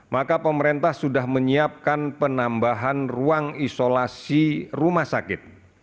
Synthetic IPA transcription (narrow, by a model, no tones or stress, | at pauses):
makapəməɾent̪ahsudahməɲiap̚kanpənambaɦanruaŋisolasirumahsakɪt̪̚